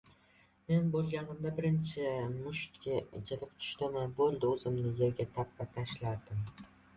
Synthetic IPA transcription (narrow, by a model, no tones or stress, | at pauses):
me̞nbolˠɡʲanɪmd̪abɪɾɪnt͡ʃʰɪmʊʃt̪kʲakʲʰelɪpt̪ʰʊ̥ʃt̪ɪmanbolˠd̪ɪɵzɪmnɪje̞ɾɡʲat̪ʰap̚vat̪ʰaʃlaɾd̪ɪm